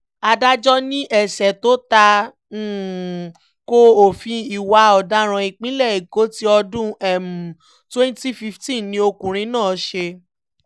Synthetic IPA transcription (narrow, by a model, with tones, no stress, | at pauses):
a˧da˦d͡ʒɔ˦nĩ˦ʔɛ˦˨sɛ˨to˨˦ta˧˦˨ | ko˧o˨fĩ˧i˨wa˧˦ɔ˨da˦ɾ̃ã˧i˨k͡pĩ˦lɛ˦˨i˨ko˨˦ti˦ɔ˧dũ˦ɛ˨mu˨ | twɛ̃˦n˦ti˦fi˧˦ftĩ˦nĩ˧˦o˧kũ˨ɾ̃ĩ˧˦nãː˦˨˦ʃe˧